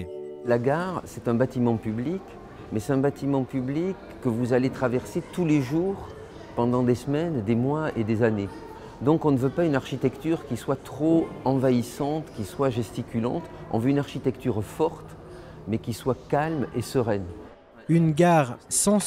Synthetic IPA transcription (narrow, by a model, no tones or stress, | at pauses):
laɡaʁsɛt̪ɛ̃bat̪imɑ̃pyblik | mɛsɛt̪ɛ̃bat̪imɑ̃pyblikːəvuzalet̪χavɛʁset̪uleʒuʁ | pɑ̃d̪ɑ̃d̪esmɛnd̪emwaed̪ezane | d̪ɔ̃kɔ̃nəvøpaynaʁʃit̪ɛkt̪yʁkʲiswat̪χoɑ̃vaisɑ̃t̪kʲiswaʒɛst̪ikʲylɑ̰̃t̪ɔ̰̃vøynaʁʃit̪ɛkt̪yʁfɔʁt̪ | mɛkʲiswakalmḛsəʁɛn | ynɡaʁsɑ̃